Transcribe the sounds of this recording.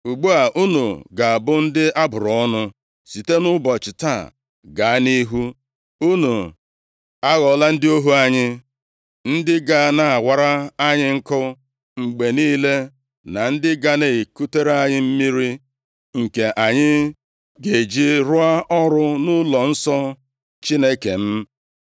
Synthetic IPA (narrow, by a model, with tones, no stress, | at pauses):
u˨ɡ͡bu˦a˨ʔu˦nu˨ɡa˨bʊ˦n̩˦dɪ˦ʔa˦bʊ˨ɾɔ˦nʊ˦ | si˨te˦nʊ˦bɔ˨t͡ʃɪ˨ta̰˦˨ | ɡa˨a˦ni˦ɦu˦ | u˦nu˨ | a˦ɣɔ˨la˦n̩˦dɪ˦o˦ɦu˦a˦ɲɪ˦ | n̩˦dɪ˦ɡa˨˦˨na˨a˨wʷa˨ɾa˦a˦ɲɪ˦ŋ̩˦kʊ˦ | ŋ͡m̩˨ɡ͡be˨niː˦le˦ | na˨n̩˦dɪ˦ɡa˦ne˨i˨ku˦te˦ɾa˦ɲɪ˦m̩˦mi˦ɾi˦ | ŋ̩˨ke˨ʔa˨ɲɪ˦ | ɡe˨d͡ʒi˦ɾʊ˦a˦ʔɔ˦ɾʊ˦nʊ˦lɔ˨n̩˦sɔ˦ | t͡ʃi˦ne˦ke˨m̩˦